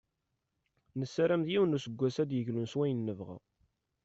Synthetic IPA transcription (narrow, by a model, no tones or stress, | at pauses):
nəsːæɾæmðjiwənusəɡʷːæsæd̪jəʝlunswæjənːəvʁa̰